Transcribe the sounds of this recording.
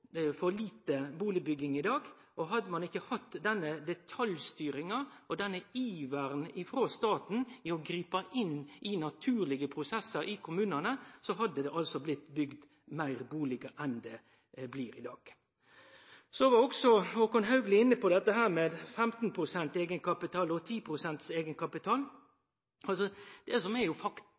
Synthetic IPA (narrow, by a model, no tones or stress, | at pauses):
fɔliːt̪əbuːlɪbʏɡɪŋɪd̪ɑːɡ | ʔɔɦɑd̪ːəmɑnɪkːəhɑt̪ːd̪ɛnːəd̪ɛt̪ʰɑljst̪yːɾɪŋɑɔd̪ɛnːəiːʋæɾnɪfɾoːst̪ɑːt̪n̩ɪɔɡɾiːpɑʔɪnːʔɪnɑt̪ʰʉːɾlɪɡəpʰɾʊsɛsːəɾɪkʰʊmʉːnənəsɔɦɑd̪ːəd̪ɛʔɑlsɔblɪt̪ːbʏɡd̪ | mæɪɾbuːlɪɡəʔɛnd̪ɛ | bliːɾɪ̰d̪ɑːɡ̥ | sɔʋɑɔksɔɔkʊnɦɑʉɡlɪɪnːəpɔd̪ɛt̪ːəɦæːɾmeːd̪fɛmt̪npʰɾʊsɛnt̪eːɡənkɑpɪt̪ʰɑːlɔt̪ʰiːpʰɾʊsɛnt̪seːɡənkʰɑpɪt̪ʰɑːl | ɑlsɔd̪̥ɛsɔmɛjʊfɑk̪